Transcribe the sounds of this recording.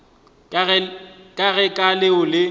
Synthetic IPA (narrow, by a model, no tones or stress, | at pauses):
kʼaɣɛkʼalɪʊlɪ